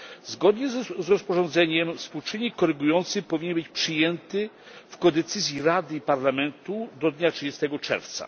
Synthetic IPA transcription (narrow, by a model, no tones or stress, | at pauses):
zɡɔd̪ɲɛzzɾɔspɔʐɔnd̪zɛɲɛmfspuwt͡ʂɘɲːikkːɔɾɘɡujɔnt̪sɘxpɔvʲiɲɛnbɘt͡ɕpʂɘjɛnt̪ɘ | fkɔd̪ɛt̪sɘzʲjiɾad̪ɘipaɾlamɛnt̪ud̪ɔd̪ɲatʂɨd͡ʑɛst̪ɛɡɔt͡ʂɛ̰ɾft̪sa̰